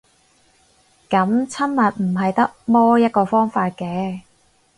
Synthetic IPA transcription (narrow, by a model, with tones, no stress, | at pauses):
kɐ˨˥mt͡sʰɐ˥nmɐ˨t̚m̩˨˩ɦɐ˨jt̪ɐ˥k̚mɔː˥jɐ˥t̚kɔː˧fɔː˥ŋfaː˧t̚kɛː˨˧